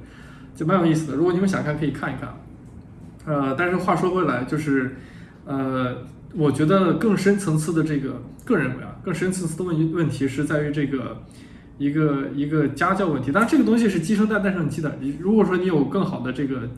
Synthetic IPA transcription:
t͡ɕm˧˥jo˨˩ʊi˥˩s̬ɹ̩˩d̪ə˩ɻu˧˥kw̪i˧˥˧ɕɑ̰˨˩ŋkʰa˥˩kʰɤ˧˥i˨˩kʰa˥˩ni˧˥kʰa̰˥˩n | ə˧t̪a˥˧nʂɻ̩˥˧xwa˥˩ʂwɔ˥we˥˩ɪla˧˥ɪt͡ɕjo˥˧ʊʂɻ̩˥˩ | ə˧ | wɔ˨˩t͡ɕɥɛ˧˥d̪ə˧kɤ˥˩ŋʂə˥nt͡sʰɤ˧˥ŋt͡sʰɹ̩˥˩d̪ə˩ʈ͡ʂɤ˥˩ɡə˩kɤ˥˩ɻə˧˥nw̰ɑ̰˧˥kɤ˥˩ŋʂə˥nt͡sʰɤ˧˥ŋt͡s̩̪ʰ˥˩ə˧˥˧wə˥˩nt̪ʰi˧˥ʂɻ̩˥˧t͡sa˥˩ɪy˧˥ʈ͡ʂɤ˥˩ɡə˩ | i˧˥ɡə˧i˧˥ɡə˧t͡ɕja˥t͡ɕjɑ˥˧ʊwə˥˩nt̪ʰi˧˥t̪ʈ͡ʂɤ˥˩ɡə˩t̪ʊ˥ŋɕ̬i˧ʂ̬ɻ̩˥˩t͡ɕi˥ʂ̬ɤ˥ŋt̪a˥˧t̪ʂ̩˥˩˧n˨˩t͡ɕi˥˩ə˨˩i˧˥˩ɻu˧˥kwɔ˨˩ʂwɔ˥ni˧˥jo˨˩ʊkɤ˥˩ŋxɑ˨˩ʊd̪ə˦ʈ͡ʂɤ˥˩ɡə˩

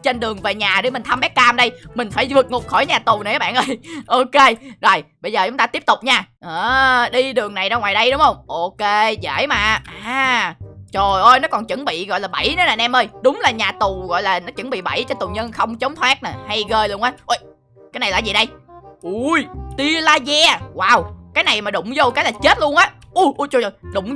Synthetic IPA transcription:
t͡ɕe˧nɗɨ˨˩əŋve˨˩ɲaː˨˩ɗɨ˧˩mï˨˩ŋt̪ʰə˧mɓɛ˦˥k̚kaː˧mɗə˧jmï˨˩ŋ̟faː˧˩jvɨ˨˩k̚ŋʊ˨˩k͡p̚xɔ˧˩jɲaː˨˩t̪u˨˩na˨˩jʔaː˨˦˩ɓa̰ː˧˨nʔəː˧jʔo˧ke˧zo˨˩jɓə˧jzəː˨˩t͡ɕʊ˨˦ŋ͡mt̪aː˧i˦˥əp̚t̪ʊ˨˩k͡p̚ɲaː˧ʔəː˨˩ɗi˧ɗɨ˨˩əŋna˨˩jɗɔː˧ŋwaː˨˩jɗə˧jɗʊ˨˦ŋ͡mʔə˧wŋ͡mʔo˧ke˧zə̰ː˧˩˨jmaː˨˩ʔaː˨˩ | t͡ɕo˨˩jʔə˧jnɔ˨˦kɔ˨˩nt͡ɕɨ˧˦ŋɓḭ˧˨ɣɔ̰˧˨jlaː˨˩ɓa˧˩jnɔ˨˦naː˨˩nʔɛ˧mʔəː˧jɗʊ˨˦ŋ͡mlaː˨˩ɲaː˨˩t̪u˨˩ɣɔ̰˧˨jlaː˨˩nɔ˨˦t͡ɕɨ˧˩˦ŋɓḭ˧˨ɓa̰˧˩jt͡ɕɔ˧t̪u˨˩ɲə˧nxə˧wŋ͡mt͡ɕə˨˦wŋ͡mt̪ʰwaː˦˥t̚na˨˩ha˧jɣəː˧jlu˧ənʔaː˨˦ʔo˧j | kaː˨˦jna˨˩jlaː˧˨˩zi˨˩ɗə˧jʔu˧jt̪i˧əlaː˧zɛ˧waː˨˩wkaː˨˦jna˨˩jmaː˨˩ɗʊ̰˧˨ŋ͡mzo˧kaː˨˦laː˨˩t͡ɕe˦˥t̚lu˧ənʔaː˨˦ | ʔu˧˩ʔu˧t͡ɕo˧˩˨jɗʊ˧˨˩ŋ͡m

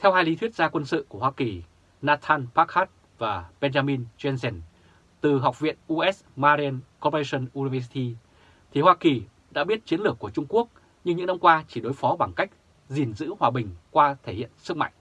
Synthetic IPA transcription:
t̪ʰɛ˧whaː˧jli˨˦t̪ʰwət̚zaː˧kwə˧nsɨ̰˧˨ku˧˩əhwaː˧ki˨˩ | naː˧t̪ʰaː˧npaː˦˥k̚haː˦˥t̚ | vaː˨˩ɓɛ˧nzaː˧mi˧nzɛ˧nzɛ˧˩n | t̪ɨ˨˩ɦa˨˩wk͡p̚vḭ˧˨ənʔu˧ʔɛ˦˥s | maː˧ɾi˧a˧nkɔ˧˦pə˧sə˧nʔu˧ni˧vɛː˧s̬i˧t̪i˧ | t̪ʰi˨˩hwaː˧ki˨˩ | ɗa̰ː˧˥ɓi˦˥ət̚t͡ɕi˨˦ənlɨ˨˩əkːu˧˩ət͡ɕʊ˧ŋ͡mku˦˥ək̚ | ɲɨ˧ŋɲɨ̰˧˥ŋna˧mkwaː˧t͡ɕi˧˩ɗo˨˦jfɔ˨˦ɓaː˧˩ŋka˦˥jk̚ | zi˨˩nzɨ̰˧˥hwaː˨˩ɓï˨˩ŋ̟kwaː˧t̪ʰe˧˩hḭ˧˨ənsɨ˦˥k̚ma̰˧˨ŋʔ

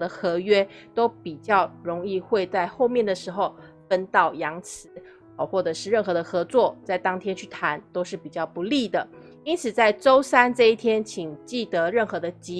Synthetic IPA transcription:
d̪ə˧xɤ˧˥ɥɛ˥ | t̪o˥ʊpi˨˩t͡ɕjɑ˥˩ʊɻʊ˧˥ŋi˥˧xwe˥˧ɪt͡sa˥˧ɪxo˥˧ʊmjɛ˥˩nd̪ə˩ʂɻ̩˧˥xo˥˧ʊ | fə˥nt̪ɑ˥˩ʊjɑ˧˥ŋt͡sʰɹ̩˧˥ | ɔ˩xwɔ˥˩ʈ͡ʂɤ˨˩ʂɻ̩˥˧ɻə˥˩nxɤ˧˥d̪ə˧xɤ˧˥t͡swɔ˥˩t͡sa˥˩ɪt̪ɑ˥ŋt̪ʰjɛ˥nt͡ɕʰy˥˩t̪ʰa˧˦nt̪o˥ʊʂɻ̩˥˩pi˨˩t͡ɕjɑ˥˩ʊpu˧˦li˥˩d̪ə˩ | i˥nt͡sʰɹ̩˨˩t͡sa˥˩ɪʈ͡ʂo˥ʊsa˥nʈ͡ʂɤ˥˧i˥˩t̪ʰjɛ˥nt͡ɕʰi˨˩ŋt͡ɕi˥˩t̪ɤ˧˥ɻə˥˩nxɤ˧˥d̪ə˧t͡ɕi˧˥

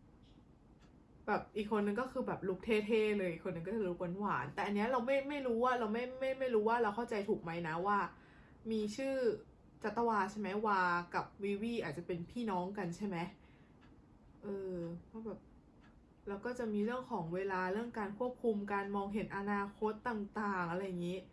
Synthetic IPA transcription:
bɛː˨˩p̚ʔiː˨˩kʰːo˧nːɯ˧ŋkɔː˥˩kʰɯː˧bɛː˨˩p̚lu˦˥k̚t̪ʰeː˥˩t̪ʰeː˥˩lɤː˧jʔiː˨˩kʰːo˧nːɯ˧ŋk̬ɔ˥˩t͡ɕa˨˩lu˦˥k̚wa˧nwa̰ː˩˦nt̪ɛː˨˩ʔnːi˦ɐɾa˧wma˥˩jma˥˩jɾuː˦˥waː˥˩ɾa˧wma˥˩jma˥˩jma˥˩jɾuː˦˥waː˥˩ɾa˧wkʰa˥˩wt͡ɕa˧jt̪ʰuː˨˩k̚ma˦˥jna˦˥waː˥˩ | miː˧t͡ɕʰɯː˥˩ | t͡ɕa˨˦˩t̪ːa˧waː˧t͡ɕʰa˥˩ma˦˥jwaː˧ka˨˩p̚wiː˦˥wiː˥˩ʔaː˨˩t̪̚t͡ɕa˨˩pe˧npʰiː˥˩nɔː˦˥ŋka˧nt͡ɕʰa˥˩jma˦˥j | ʔɤː˧kʰɔː˦˥˩bɛː˨˩p̚ | lɛː˦˥wkɔː˥˩t͡ɕa˨˩ʔmiː˧ɾɯ˥˩əŋkʰɔː˩˦ŋweː˧laː˧ɾɯ˥˩əŋkaː˧nkʰu˥˩əp̚kʰu˧mka˧nmɔː˧ŋɦe˩˦nʔa˧naː˧kʰo˦˥t̪ːaː˨˩ŋt̪aː˨˩ŋʔa˧ɾa˧ja˨˩ŋːiː˦˥

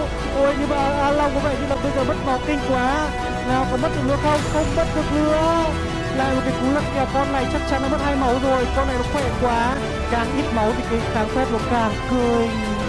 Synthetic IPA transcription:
ʔo˧˩jɲɨ˧maː˨˩ʔʔaː˧la˧wŋ͡mkɔ˨˦vḛ˧˩t̪ʰi˧laː˨˩t̪o˧jzaː˧˩mə˦˥t̚ma˨˦wkï˧ŋ̟kwaː˨˦ | laː˨˩wkɔ˨˦mə˦˥t̚ɗɨ˨˩lɨ˧˦əxə˧wŋ͡mxə˧wŋ͡mɓt̚ɗɨ˨˩ək̚lɨ˧˦ə | laː˨˩jmo˨˩kaː˨˦jtu˨˦lə˨˩t̚i˨aː˨˩kɔ˧nla̰ː˧˨jt͡ɕa˦˥k̚t͡ɕa˧˦nla˨˦mə˦˥t̚haː˧jma˨˦wzo˨˩jkɔ˧nlaː˧˨jɗɔ˨˥kxwɛ˧˩kwaː˨˦ | kaː˨˩ŋʔi˦˥t̚ma˨˦wt̪ʰi˨˩kaː˨˦xaː˨˦ŋfɛ˦˥p̚lɔ˨˩˦kaː˨˩ŋkə˧˩ŋ

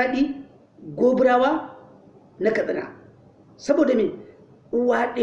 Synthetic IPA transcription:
a˦ɗi˦ | ɡʷo˦bu˦ɾa˦wa˦ | na˦ka˨ɓi˨na̰˨ | sa˦bo˨da˨mi˨ | u˦wa˦ɗe˦

